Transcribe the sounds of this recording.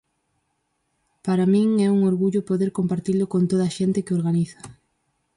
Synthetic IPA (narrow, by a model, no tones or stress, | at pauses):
paɾamĩŋɛuŋoɾɣuʎʊpoðeɾkompaɾt̪ilʊkont̪oð̞ɐaʃent̪ɪkɪoɾɣaniθɐ̥